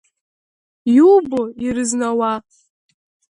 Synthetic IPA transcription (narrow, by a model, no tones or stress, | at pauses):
juboiɾɨznawa